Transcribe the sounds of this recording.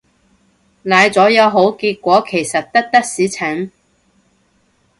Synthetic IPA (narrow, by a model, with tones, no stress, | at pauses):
naː˨˧jt͡sɔː˨˥jɐ˨˧wɦo˨˥wkiː˧t̚kʷɔː˨˥kʰe˨˩jsɐ˨t̚t̪ɐ˥k̚t̪ɐ˥k̚siː˨˥t͡sʰɛ˨˥ŋ